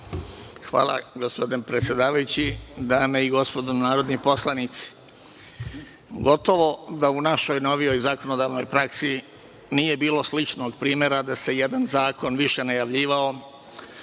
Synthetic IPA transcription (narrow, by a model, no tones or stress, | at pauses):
xʋa̰ːlˠa̰ɡospo̞d̪inpɾet̪sʲje̞d̪aːʋajut͡ɕid̪aːme̞iɡo̞spo̞d̪onaːɾod̪nipo̞slˠanit̪si̥ | ɡo̞t̪o̞ʋo̞d̪aunaʃo̞jno̞ʋio̞jzako̞no̞d̪aːʋno̞̰jpɾaksi | nije̞biːlˠo̞slit͡ʃno̞ɡpɾiːme̞ɾad̪ase̞jed̪anzaːko̞nʋiʃe̞najaʋʎiːʋao̞